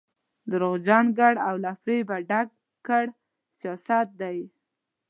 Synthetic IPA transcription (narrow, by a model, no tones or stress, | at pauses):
d̪əɾoɣd͡ʒɑnɡaɽawlafɾebaɖaɡ̚ | kːəɽ | sijɑsat̪̚d̪aj